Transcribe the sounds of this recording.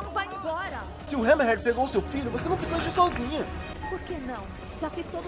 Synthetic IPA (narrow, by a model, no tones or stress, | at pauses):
nɐ̃w̃vajĩbɔɾɐ | sɪʊɦɛ̃mɦɛd̪peɡowʊsewfiʎʊvosenɐ̃w̃pɾisizɐʒiɾsɔzĩɲɐ | poɾkenɐ̃w̃ | ʒafist̪od̪